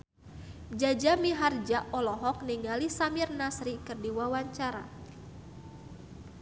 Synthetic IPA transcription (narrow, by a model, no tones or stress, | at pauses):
d͡ʒad͡ʒamiɦard͡ʒaʔɔlɔɦɔk̚niŋalisamirnasɾikɨrdiwawaɲt͡ʃaɾa̰